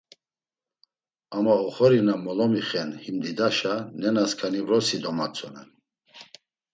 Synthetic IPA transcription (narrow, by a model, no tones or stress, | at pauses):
amaɔχɔɾinamɔlɔmiχɛnhimd̪id̪aʃanɛnaskʰanivɾɔsid̪ɔmat͡sʰʼɔnɛn